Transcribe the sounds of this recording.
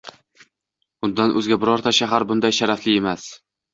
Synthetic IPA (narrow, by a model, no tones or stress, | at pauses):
b̥ʊnd̪anʔɵzɡʲabɪɾɒɾt̪ʰaʃaɦaɾbʊnd̪ajʃaɾaflɪemas